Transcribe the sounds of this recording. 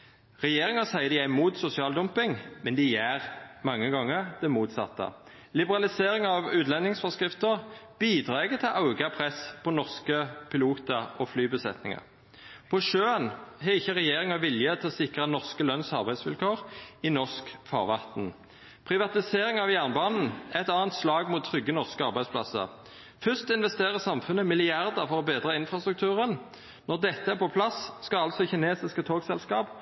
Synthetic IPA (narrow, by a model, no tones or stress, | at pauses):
ʁɛjeːʁɪŋəsæɪəd̪ɪæɪmuːt̪sʊsɪɑːld̪ʊmpɪŋmɛnd̪ɪjæːʁmɑŋːəɡɑŋːəʁd̪ɛmuːt̪sɑ̰t̪ːə̰ | lɪbəʁɑlɪseːɾɪŋɑʋʉːt̪lɛnɪŋsfɔʁskʁɪft̪əʁb̥iːd̪ʁɑːɛɡət̪ʰɪlʔɑʊɡɑpʰʁɛspʰɔnɔʁskəpʰɪluːt̪əɔflyːbəsɛt̪nɪ̰ŋɑ̰ | pʰɔʃøːənɦɛɪçːəʁɛjeːʁɪŋəʋɪljət̪ʰɪlɔsɪkʁənɔʁskəlœnsɑʁbæɪsʋɪlkʰoːʁɪnɔʁskfɑ̰ːʁʋɑt̪n̩ | pʰʁɪʋɑt̪ɪseːʁɪŋɑʋjæʁnbɑːnn̩ɛt̪ɑːnt̪slɑːɡmʊːt̪ʰːʁʏɡːənɔʁskəɑʁbæɪsplɑ̰sə̰ʁ | fʏst̪ɪnʋɛst̪eːʁəsɑmfʉnːəmɪlɪɑʁd̪əʁfɔʁɔbeːd̪ʁəɪnfɾɑst̪ɾʉk̚t̪ʉːʁən | nɔʁd̪ɛt̪ːəæpʰɔpʰlɑsskɑɑlt̪sɔçɪneːsɪskət̪ʰoːɡsɛlskɑːp